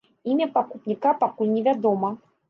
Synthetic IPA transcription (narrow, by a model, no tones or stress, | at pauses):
imʲɐpakupnʲikapakulʲnʲɛvʲad̪ɔmɐ